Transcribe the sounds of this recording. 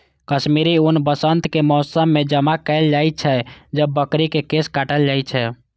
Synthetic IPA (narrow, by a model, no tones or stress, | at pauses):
kəʃmiɾiunbəsənt̪kemɔːsəmːed͡ʒəmakəɪld͡ʒait͡ʃʰɛd͡ʒəbːəkɾikekeskaʈəld͡ʒat͡ʃʰɛ